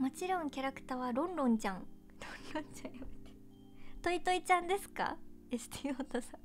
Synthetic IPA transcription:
mat͡ɕiɾõ̞ŋkʲaɾakɯ̟̥t̪aːβaɾõ̞nɾõ̞ɲt͡ɕãŋ | ɾõnɾõɲt͡ɕãɰ̃jamet̪e̥ | t̪o̞it̪oit͡ɕãnd̪e̞sɨ̥ka̰ | esɨ̥t̪iːoːt̪osã

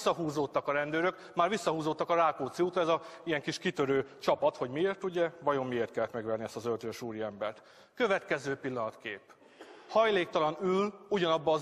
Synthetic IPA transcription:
sːɒɦuːzot̪ːɒkɒɾɛnd̪øːɾøk | maːrʋisːɒɦuːzot̪ːɒkɒɾaːkoːt̪siut̪oɛzɒijɛŋkiʃkit̪ø̞ɾøːt͡ʃɒpɒt̪ho̞ɟmieːrt̪uɟɛvɒjomːieːrt̪kɛlːɛt̪mɛɡʋɛrniɛst̪ɒzølt̪øːʃuːɾiɛmbɛrt̪ | kø̞vɛt̪kɛzøːpilːɒnɒt̪kḛːp | hɒjleːk̚t̪ɒlɒnyluɟɒnɒbːɒː

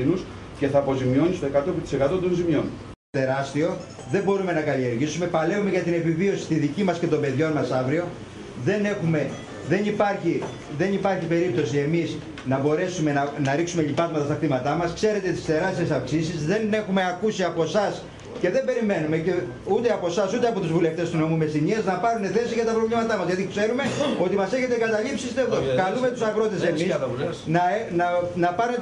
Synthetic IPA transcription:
nus | ce̞θɐːpo̞zimio̞nist̪oekɐt̪ot̪i̥se̞kɐt̪ot̪o̞nzimjo̞n | t̪e̞ɾɐst̪io̞ | ðe̞mbo̞ɾume̞nɐkɐlie̞ɾʝisume̞pɐle̞ume̞ʝɐt̪ine̞pivio̞si̥st̪iðicimɐsce̞t̪o̞mbe̞ðʝo̞nmɐsɐvɾio̞ | ðe̞ne̞xume̞ | ðe̞nipɐɾçi | ðe̞nipɐɾçipe̞ɾip̚t̪o̞sie̞miz | nɐbo̞ɾe̞sume̞nɐnɐɾiksume̞ʎipɐzmɐt̪ɐst̪ɐxɾimɐt̪ɐmɐskse̞ɾe̞t̪et̪i̥st̪e̞ɾɐst̪iesɐfksisizðe̞ne̞xumeɐkusiɐpo̞sɐs | ce̞ðe̞mbe̞ɾime̞nume̞ce | ut̪eɐpo̞sɐsut̪eɐpo̞t̪uzvule̞ft̪est̪uno̞mume̞siɲiɐznɐpɐɾune̞θe̞siʝɐt̪ɐpɾovʎimɐt̪ɐmɐzʝɐðikse̞ɾume̞o̞t̪imɐse̞çe̞t̪ekɐt̪ɐʎipsist̪eðokɐlume̞t̪usɐɣɾo̞t̪esemisɐlesnɐnɐnɐpɐɾun

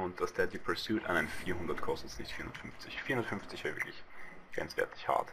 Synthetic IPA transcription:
ʊnt̚d̥asd̥ɛdjipʰɛsjuːtã̰naɛfiːɐhʊndɐtkʰɔstəsnɪçtfiːɐhʊndətfʏnft͡sɪçfiːɐhʊndətfʏnft͡sɪçv̥ɛːɐvɪ̰ɐkʰlɪçɡ̥ʁɛ̰nt͡sv̥ɛ̰ɐtʰɪ̥çha̰ɐt

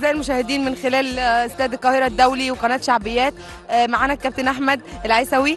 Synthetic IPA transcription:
zæːjelmoʃæːhed̪iːnmenxelæːlʔost̪æːd̪lkːɑːheɾæd̪ːæwliweqɑnæːt̪ʃaʕbejːæːt̪̚ | maʕaːnækːæb̚t̪enʔaħmæd̪ʔelʕajsæwi

